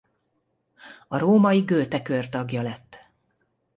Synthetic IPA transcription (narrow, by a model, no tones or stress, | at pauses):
ɒɾoːmɒjiɡøːt̪ɛkørt̪ɒɡjɒlɛt̪ː